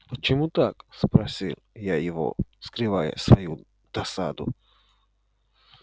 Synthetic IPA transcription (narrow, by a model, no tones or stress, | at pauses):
pɔt͡ʃɛmut̪akspɾasʲiljajivɔ̰skɾɪvajɛ̰sʋɔju | d̪̥asa̰d̪ṵ